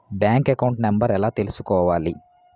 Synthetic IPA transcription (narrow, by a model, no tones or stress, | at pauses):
bjaːŋkekɐwuɳʈnembɐɾɛlaːt̪e̞lusu̥kɔːʋaːli